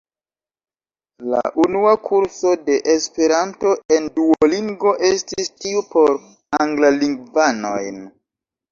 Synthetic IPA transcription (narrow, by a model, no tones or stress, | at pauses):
la̰ʔunuakʰuɾso̞de̞ʔespe̞ɾanto̞e̞nduoliŋɡo̞ʔe̞stistiupo̞ɾ | aŋɡlaliŋɡvano̞̰jn